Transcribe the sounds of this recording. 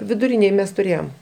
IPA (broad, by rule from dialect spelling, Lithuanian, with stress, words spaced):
ʋʲɪdʊˈrʲɪnʲeːj ˈmʲɛs tʊˈrʲeːjoːm